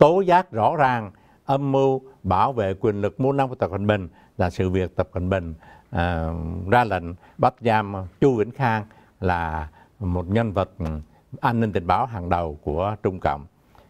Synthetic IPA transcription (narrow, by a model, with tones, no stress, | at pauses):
t̪o˨˦zaː˦˥k̚zɔ̰˧˥zaː˨˩ŋ | ʔə˧mːu˧ɓaː˧˩wvḛ˧˨kwi˨˩ənlɨ˨˩k̚mo˧na˧mku˧˩˦t̪ə˨˩p̚kʰə˧˨˩nɓï˨˩ŋ̟ | laː˨˩sɨ̰˧˨vi˨˩ək̚t̪ə˨˩p̚kə̰˧˨nɓï˨˩ŋ̟˩ | zaː˧la̰˧˨ŋ̟ | ɓa˦˥t̚zaː˧mt͡ɕu˧vḭ˧˩˦ŋ̟xaː˧ŋ | laː˨˩ | mo˨˩t̚ɲə˧nvə˨˩t̚ | ʔaː˧ni˧ŋt̪ï˨˩ŋ̟ɓaː˨˦wɦaː˨˩ŋɗə˨˩wku˧˩ət͡ɕʊ˧ŋ͡mkə̰˧˨wŋ͡m